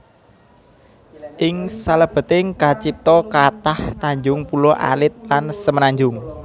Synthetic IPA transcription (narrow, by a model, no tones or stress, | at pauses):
ʔɪŋsaləb̥ə̤t̪ɪŋkat͡ʃip̚t̪ɔkat̪ahnaɲd͡ʒʊŋpulɔʔa̰lɪt̪̚lansəmənaɲd͡ʒʊŋ